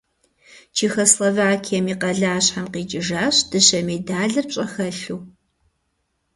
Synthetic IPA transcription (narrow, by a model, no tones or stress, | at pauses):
t͡ʃʰiːxɐslovaːkʰijɛmiːqɐɮaːɕħamqiːt͡ʃʼɪʒaːɕd̥ɨɕɐmedaːɮɐrpɕʼɐxɐɬuː